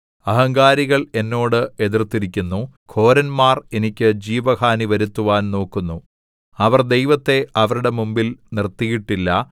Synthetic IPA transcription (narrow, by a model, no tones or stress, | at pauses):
ɐɦɐŋɡaːɾiɣɐɭe̞nːo̞ːɽɨe̞ðirt̪ːiɾikʲːunːukʰo̞ːɾɐnmaːre̞nikʲːɨd͡ʑiːʋɐhaːniʋɐɾut̪ːuʋaːnno̞ːkːunːu | ɐʋɐrd̪e̞jʋɐt̪ːe̞ɐʋɐɾuɽe̞mumbilnirt̪ːijiʈːilːɐ